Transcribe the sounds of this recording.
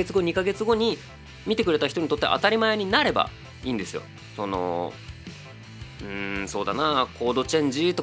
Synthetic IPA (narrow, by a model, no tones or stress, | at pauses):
et͡sɨɡo̞ɲ̟ikaɡe̞t͡sɨɡo̞ɲ̟i | mʲit̪e̞kɯɾe̞t̪açi̥t̪oɲit̪ot̪ːea̰ʔa̰t̪aɾʲimae̞ɲ̟inaɾe̞ba̰ | iːnd̪e̞sɨjo̞̰ | so̞no̞̰ | ɯ̟̃so̞ːd̪a̰nakʰo̞ːd̪o̞t͡ɕẽ̞ɲ̟d͡ʑit̪o̞